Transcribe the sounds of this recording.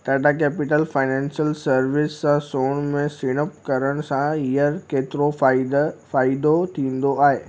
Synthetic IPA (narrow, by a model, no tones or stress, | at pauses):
t̪aɖãkɛːpɪʈəlfaːɪnɛ̃ːnsijəlsɐɾʋɪsãsoːnmẽsiɽ̃əp̚kɐɾəɽ̃sãiəɾkeːt̪ɪɾo | faːid̪ot̪ʰĩːn̆d̪oaːɦeː